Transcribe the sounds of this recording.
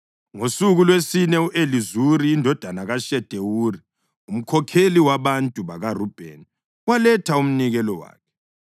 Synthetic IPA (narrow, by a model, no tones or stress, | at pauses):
ŋosuɣulwesinɛuʔelizuɾiːndʱɔd̥ʱanaɣaʃɛd̥ʱewuːri | um̩kʰɔkʰeliwaβantʼuβaɣarub̥ʱḛn | walɛtʰaum̩niɣɛlɔwa̰ːkʰɛ̥